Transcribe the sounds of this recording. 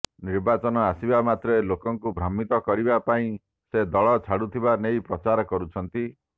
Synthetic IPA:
niɾbat͡ʃɔnɔasibamat̪ɾelokɔŋkubʱɾɔmit̪ɔkɔɾibapaĩ | sed̪ɔɭɔt͡ʃʰaɽut̪ʰibanejpɾɔt͡ʃaɾɔkɔɾut͡ʃʰɔnt̪i

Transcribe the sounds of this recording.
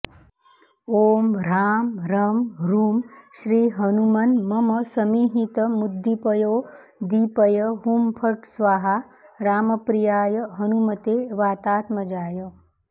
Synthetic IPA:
oːmɾaːmɾɐmɾuːmʃɾiːɦɐnumɐnmɐmɐsɐmiːɦit̪əmud̪ʱːipɐjoː | d̪iːpəjəɦumpʰɐʈsʋaːɦa | ɾaːmɐpɾijaːjɐɦɐnumɐt̪eːʋaːt̪aːt̪mɐd͡ʒaːjə

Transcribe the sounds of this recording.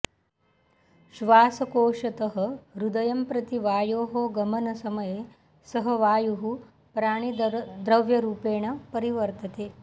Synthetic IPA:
ʃʋaːsɐkoːʂɐt̪ɐɦɐ̆ɾud̪ɐjɐmpɾɐt̪iʋaːjoːɦoːɡɐmɐnɐsɐmɐjeː | sɐɦɐʋaːjuɦu | pɾaːɳ̃id̪ɾɐʋjɐɾuːpeːɳ̃ɐpɐɾiʋɐɾt̪ɐt̪eː

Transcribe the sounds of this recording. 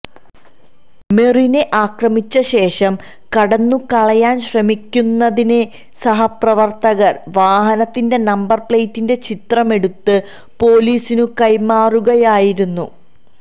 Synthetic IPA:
me̞rineʔaːkrɐmit͡ɕːɐɕe̞ːʂɐm | kɐɽɐnːukɐɭɐjaːnɕrɐmikʲːunːɐðine | sɐɦɐprɐʋɐrt̪ɐɣɐrʋaːɦɐnɐt̪ːinde̞nɐmbɐrpɭejtːinde̞t͡ɕit̪rɐme̞ɽut̪ːɨ | po̞ːliːsinukɐjmaːruɣɐjaːjiɾunːṵ

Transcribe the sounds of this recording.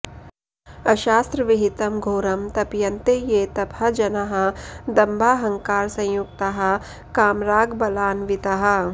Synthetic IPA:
ɐʃaːst̪ɾəʋɪɦɪt̪ɐmɡʱoːɾɐmt̪ɐpjɐnt̪ejeːt̪ɐbʱɐd͡ʒɐnɐɦɐ̆d̪ɐmbʱaːɦɐ̃ŋkaːɾsɐ̃j̃jukt̪ɐɦɐ̆ | kaːmɾaːɡbɐlaːnʋɪt̪ɐɦɐ̆

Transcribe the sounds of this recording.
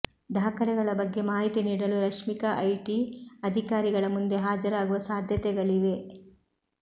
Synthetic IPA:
d̪ʱaːkɐɾɛɡɐɭɐbɐɡːe̞maːɦit̪iniːɽɐluɾɐkʂmikɐʔɐjʈiɐd̪ʱikaːɾiɡɐɭɐmund̪e̞ɦaːd͡ʒɐɾaːɡuʋɐsaːd̪ʱjɐt̪ɛɡɐɭiʋe̞

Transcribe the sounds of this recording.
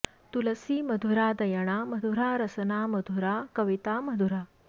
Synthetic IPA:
t̪ulɐsiːmɐd̪ʱuɾaːd̪ɐjɐɳ̃aːmɐd̪ʱuɾaːɾɐsɐnaːmɐd̪ʱuɾaːkɐʋit̪aːmɐd̪ʱuɾaː

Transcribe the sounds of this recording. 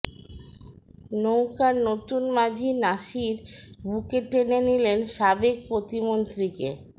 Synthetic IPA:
nowkaɾnot̪unmad͡ʑʱinaʃiɾbukeʈenenilenʃabek̚pɾot̪imont̪ɾikḛ

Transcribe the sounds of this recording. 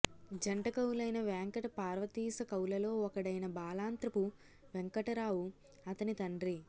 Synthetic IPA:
d͡ʒɐɳʈɐkɐwulɐjnɐʋɛːŋkɐʈɐpaːɾʋɐt̪iːsɐkɐwlɐlo̞ːɔkɐɽɐjnɐbaːlaːnt̪ɾɐpu | ʋeŋkɐʈɐɾaːwu | ɐt̪ɐnit̪ɐɳɖɾi

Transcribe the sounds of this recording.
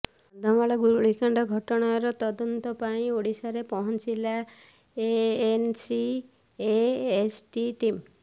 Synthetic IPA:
d̪ʱɔmaɭɔɡuɾuɭikaɳɖɔɡʱɔʈɔɽ̃aɾɔt̪ɔd̪ɔnt̪ɔpaĩoɽisaɾepɔɦɔnt͡ʃila | eensi | eesʈiʈim

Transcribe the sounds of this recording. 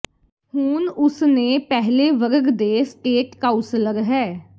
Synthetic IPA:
huːnʊsneːpɛɦleːʋəɾəɡd̪eːsʈeːʈkaːʊnsɪləɾɦɛː

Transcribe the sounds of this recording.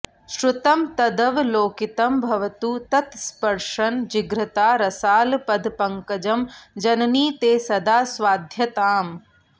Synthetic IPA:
ʃɾut̪ɐmt̪ɐd̪ɐʋloːkit̪ɐmbʱɐʋɐt̪uːt̪ɐt̪spɐɾʂɐnd͡ʒiɡɾɐt̪aːɾɐsaːlpɐd̪ʱpɐŋkɐd͡ʒɐmd͡ʒɐnniːt̪eːsɐd̪aːsʋaːd̪ʱjɐt̪aːm

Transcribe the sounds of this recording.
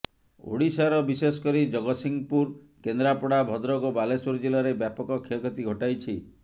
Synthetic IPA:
o̰ɽisaɾɔbisesɔ̥kɔɾid͡ʒɔɡɔsiŋpuɾ | kend̪ɾapɔɽabʱɔd̪ɾɔɡɔbalesuɾd͡ʒilɔɾebjapɔkɔkʰiekɔt̪iɡʱɔʈajt͡ʃʰi

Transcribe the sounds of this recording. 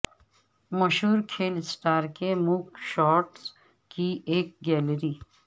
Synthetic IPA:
mɐʃɦuːɾkʰeːlsʈaːɾkemukʃɔːʈs | kieːk̚ɡɛːlɾiː

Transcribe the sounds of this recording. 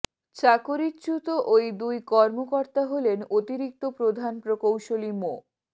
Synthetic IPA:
t͡ɕakoɾitːt͡ɕut̪oʔojd̪ujkɔɾmokoɾt̪aɦolenot̪iɾik̚t̪opɾod̪ʱanpɾokowʃolimo

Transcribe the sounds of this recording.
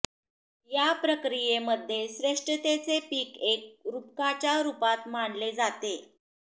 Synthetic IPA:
japɾəkɾijeməd̪ʱːjeɕɾeʂʈət̪et͡sepiːkek̚ɾup̚kat͡ɕjaɾupat̪maɳled͡zat̪e

